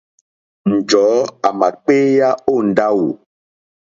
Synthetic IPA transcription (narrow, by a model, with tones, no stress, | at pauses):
n̩˨d͡ʒɔ˨˦a˨ma˨k͡pe˦ja˦o˦˨n̩˨da˦wu˨